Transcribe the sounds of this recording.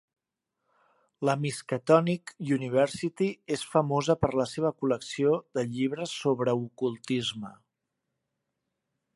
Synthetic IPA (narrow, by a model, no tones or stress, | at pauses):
ləmiskət̪ɔnikjuniβ̞ɛɾsit̪iesfəmozəpəɾləseβ̞əkuləksioðəʎiβɾəsːoβɾəukulˠt̪izmə